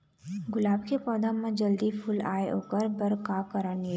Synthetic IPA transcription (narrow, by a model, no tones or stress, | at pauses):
ɡʊlaːbkepɔːd̪ʱəmẽd͡ʒəld̪ipʰʊla̰ːeo̰ːkəɾbəɾkaːkəɾəne